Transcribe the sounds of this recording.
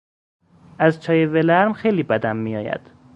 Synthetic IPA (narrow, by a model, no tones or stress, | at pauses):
æzt͡ʃʰɒːjevelæɾmxejliːbæd̪æmːijɒ̰ːjæ̰d̪̥